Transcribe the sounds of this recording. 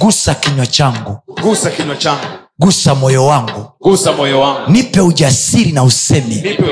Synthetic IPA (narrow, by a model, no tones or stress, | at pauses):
ɡusakiɲwat͡ʃaŋɡuɡusakiɲwat͡ʃaŋɡu | ɡusamɔjɔwaŋɡuusamɔjɔnipɛuʄasiɾinausɛmɛ